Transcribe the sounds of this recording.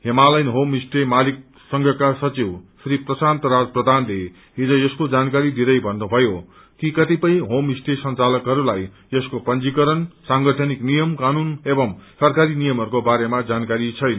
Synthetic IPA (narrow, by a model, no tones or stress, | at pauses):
ɦemalʌjnɦomisʈemalik | sʌŋɡʱʌkasʌt͡siwsriprʌsant̪ʌɾad͡zprʌd̪ʱanle | id͡zʌ̃jʌskod͡zankaɾid̪id̪ʌjbʱʌnːubʱʌjo | kikʌt̪ipʌj̃ɦomisʈesʌnt͡salʌkɦʌɾulaj | ʌskopʌnd͡zikʌɾʌnsaŋɡʌʈʰʌniknijʌmkanunebʌmsʌrkaɾinijʌmɦʌɾukobaɾemad͡zankaɾit͡sʰʌjn